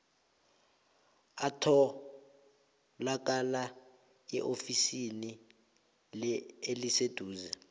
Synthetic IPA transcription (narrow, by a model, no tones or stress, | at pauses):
atʰɔ | lak̬ʼala | ɛʔofisini | lɛelised̥ʱuːzɛ